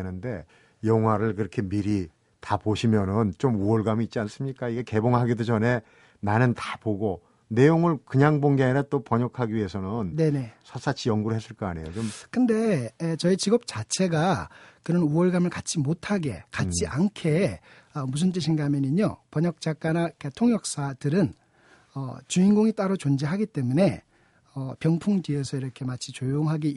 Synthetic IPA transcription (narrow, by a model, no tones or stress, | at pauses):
nɯnde̞ | jʌŋɦwaɾɯɭkɯɾʌkʰe̞miɾi | tapoɕʰimjʌnɯnt͡ɕomuʌɭɡamiːt̚t͡ɕ͈ians͈ɯmɲik͈aiɡeke̞boŋɦaɡidod͡ʑʌne̞ | nanɯntḁpoɡo | ne̞joŋɯɭkɯɲaŋboŋɡeɾat͈opʌɲʌkʰaɡiɥie̞sʰʌnɯnne̞ne̞sʰas͈ʰat͡ɕʰijʌŋɡuɾɯɭɦes͈ɯɭk͈ʌaɲe̞̰jot͡ɕomkɯnde̞ːt͡ɕʌit͡ɕiɡʌp̚t͡ɕat͡ɕʰe̞ɡakɯɾʌnuʌɭɡamɯɭkat͡ɕ͈ʰimotʰaɡe̞̰kat͡ɕ͈iʔankʰe̞ | ʌmus̬ʰɯnt͈ɯɕʰinɡamjʌniɲopʌɲʌk̚t͡ɕ͈ak͈anak͈ʰatʰoŋjʌk̚s͈adɯɾɯn | ʌ̰t͡ɕuinɡoŋit͈aɾot͡ɕond͡ʑeɦaɡit͈e̞mune̞ | ʌpjʌŋpʰuŋtie̞sʰʌiɾʌkʰe̞mat͡ɕʰit͡ɕojoŋɦaɡi